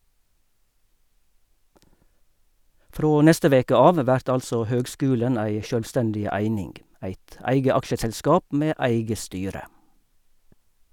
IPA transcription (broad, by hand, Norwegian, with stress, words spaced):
ˈfɾoː ˈnɛstə ˈʋeːkə ˈɑːʋ ˈʋæɾt ˈɑlsɔ ˈhøːɡˌskʉːlən ˈæɪ ˌʃœlʋˈstɛndɪ ˈæɪnɪŋɡ ˈæɪt ˈæɪɡə ˈɑkʃəsɛlˌskɑːp ˈmeː ˈæɪɡə ˈstyːɾə